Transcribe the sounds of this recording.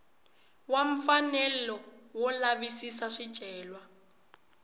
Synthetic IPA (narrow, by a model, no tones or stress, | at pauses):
waɱ̩fanɛlɔwɔlaβisisaʂid̥ʒ̥ʱʼɛːlwa